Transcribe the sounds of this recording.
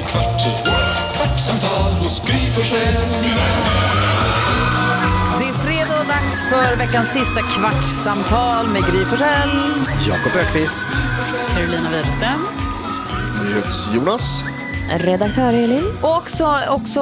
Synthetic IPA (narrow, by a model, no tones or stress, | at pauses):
kʰvaʈ | kʰvaʈsamt̪ʰɑːlɡ̥ɾyːfɔʂɛ | d̪ɛæɾfɾeːd̪ɑːd̪aksfœɾvɛkːansːɪst̪akʰvaʈʂsamt̪ʰɑːlmɛɡɾyːfɔʂɛljɑ̰ːkɔpœːɾkʰvɪst̪ | kʰaɾʊliːnaveːd̪əst̪ɾɛm | nyːhet̪sjuːnas | ɾɛd̪ak̚t̪ʰœːɾeːlɪnɔɔksɔɔksɔ